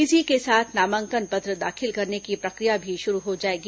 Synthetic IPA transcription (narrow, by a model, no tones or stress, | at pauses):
ɪsikesaːt̪ʰnaːmə̃ŋkənpɐt̪ɾəd̪aːxʰɪlkɐɾnekipɾɐkɾijabʱiʃʊɾuɦod͡ʒaːeːɡi